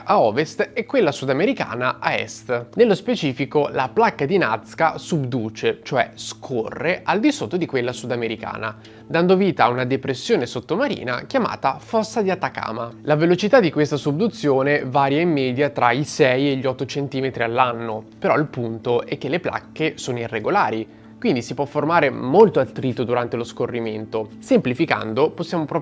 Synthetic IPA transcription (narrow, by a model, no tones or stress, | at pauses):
ʔaɔvest̪ɛkːwelːasud̪ameɾika̰ːnaʔaɛ̰st̪nelːospet͡ʃiːfikolaplakːad̪inat̪skasubd̪uːt͡ʃet͡ʃoɛ̰skʰorːeʔald̪isot̪ːod̪ikwelːasud̪ameɾika̰ːna | d̪and̪oviːt̪aunad̪epɾesːjoːnesot̪ːomaɾḭːna̰kjama̰ːt̪afɔsːad̪iat̪ːaka̰ːmalavelot͡ʃit̪ad̪ːikwest̪asubd̪ut̪sːjoːnevaːɾjaimːɛːd̪jat̪ɾaisɛjeʎːɔt̪ːot͡ʃent̪iːmet̪ɾialːanːopeɾɔilpunt̪oʔɛkːelːepla̰kːesoːnoirːeɡolaːɾi | kwind̪isipwɔfːormaːɾemolt̪oalt̪ɾit̪ːod̪uɾant̪eloskorːiment̪osemplifika̰nd̪oposːjaːmopɾɔ